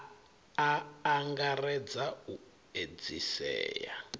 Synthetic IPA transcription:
aːŋɡarɛd͡zau | ed͡zisɛ̰ːja̰

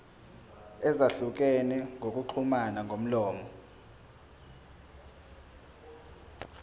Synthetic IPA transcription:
ɛzaɬuk̬ʼɛnɛŋɡok̬ʼuǃʰumanaŋɡʱom̩lɔːmɔ

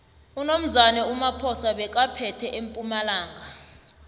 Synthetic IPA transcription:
unom̩zanɛumapʰɔsaɓɛk̬ʼapʰɛtʰɛʔempʼumalaːŋʱa

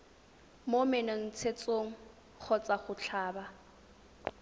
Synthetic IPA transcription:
momɛnaŋ̩t͡sʰet͡sʼoŋ̩ | k͡xʰɔt͡sʼaχʊt͡ɬʰaːba

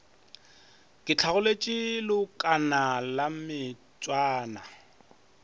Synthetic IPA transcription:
kʼɪt͡ɬʰaɣʊlet͡ʃʼɪlʊkʼanalamɪ | t͡sʼwaːna

